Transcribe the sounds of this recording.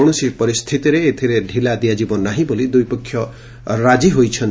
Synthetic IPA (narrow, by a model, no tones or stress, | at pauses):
ɽ̃usipɔɾist̪ʰit̪iɾeːt̪ʰiɾeɖʱilad̪ijad͡ʒibɔnːaɦĩbolid̪ujpɔkʰːjɔ | ɾad͡ʒiɦojt͡ʃʰɔn